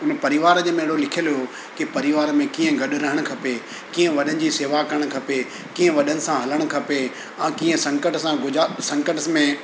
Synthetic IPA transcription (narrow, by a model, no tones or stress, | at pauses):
ʊnpɐɾɪʋaːɾd͡ʑemẽːɦɽolɪkʰijəljo | kipɐɾɪʋaːɾmẽkiːə̃ɡɐɗɾɐɦəɽ̃̆kʰɐpe | kiːə̃ʋɐɗənɪ̆d͡ʑiseːʋakɐɾəɽ̃kʰɐpe | kiːə̃ʋɐɗənɪ̆sãɦɐləɽ̃kʰɐpe | ãːkiːə̃sɐ̃ŋkəʈsãɡʊd͡ʑsɐ̃ŋkəʈmẽ